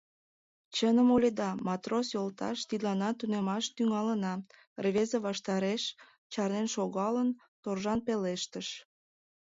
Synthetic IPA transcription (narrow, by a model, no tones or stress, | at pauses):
t͡ɕənəmolʲed̪ɑmɑt̪rosjolt̪ɑ̰ʃt̪id̪lɑnɑt̪unemɑʃt̪yŋɑlənɑ | rβezeβɑʃt̪ɑɾeʃ | t͡ɕɑrnenʃoɣɑlən | t̪orʒɑnpeleʃt̪əʃ